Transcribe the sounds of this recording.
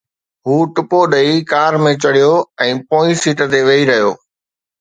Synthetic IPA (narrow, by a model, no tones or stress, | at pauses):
ɦuːʈʊpoɗɐikaːɾmẽt͡ɕɐɽijoɛ̃ːpõːisiːʈət̪eʋɐiɾɐɦijo̰ː